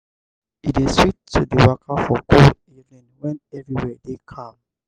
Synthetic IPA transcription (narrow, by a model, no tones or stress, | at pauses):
ideswitːudəwakʰafɔkoivɛ̃nwɛ̃nɛvɹiwɛdekʰãm